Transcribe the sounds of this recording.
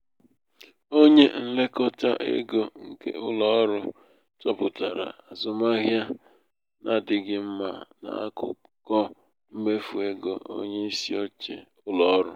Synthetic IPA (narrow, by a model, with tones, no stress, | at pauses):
o˦ɲe˦n̩˦le˦kɔ˦ta̰˦ʔḛ˦ɡo˦ŋ̩˨kḛ˨ʔʊ˦lɔ˦ɾʊ˦ | tɔ˦pʊ˨ta˨ɾa̰˨a˨zʊ˦ma˦ɣja˦ | na˨dɪ˨ɡɪ˦m̩˦ma˨na̰˨a̰˦kʊ̰˨ | kɔ˦ | m̩˦me˦fu˨e˦ɡo˨o̰˦ɲe˦i˦si˦ɔ˦t͡ʃḛ˨ | ʊ˦lɔ˨˦ɾʊ˦